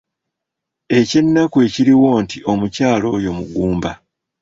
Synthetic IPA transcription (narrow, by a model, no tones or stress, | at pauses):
e̞ce̞nːakue̞ːciɾiwo̞ːntiʔomucaːlo̞ːjo̞muɡuːmba